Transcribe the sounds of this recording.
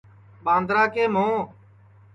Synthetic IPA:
ɓãːnd̪ɾaːkeːmõː

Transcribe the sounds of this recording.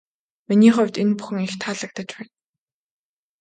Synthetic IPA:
miniːχʊwʲt̪enpu̥xɘ̆ŋixt̪ʰaːɮə̆k̚t̪ə̆t͡ɕpæːn

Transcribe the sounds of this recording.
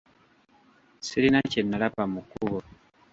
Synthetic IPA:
silinacenːalapamukuβo

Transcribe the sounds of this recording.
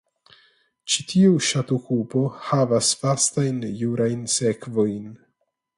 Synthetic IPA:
t͡ʃitʰiuʃatukupo̞havasfastajnjuɾʔajnse̞kvo̞jn

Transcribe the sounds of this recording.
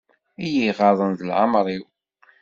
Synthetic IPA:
ijiʁɑðˤənðəlʕə̰mɾˤiw

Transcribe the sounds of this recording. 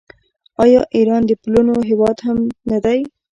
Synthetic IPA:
ɑjɑʔiɾɑnd̪əplunoɦɪwɑd̪hamnad̪aj

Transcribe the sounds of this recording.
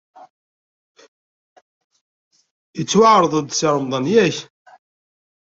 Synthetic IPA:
jət͡sːwaʕɾˤəðˤəd̪sɑɾˤəmðˤɑnjæç

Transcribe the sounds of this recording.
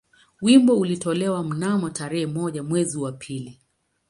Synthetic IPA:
wimbɔulitɔlɛwam̩namɔtaɾɛhɛmɔʄamwɛziwapʰili

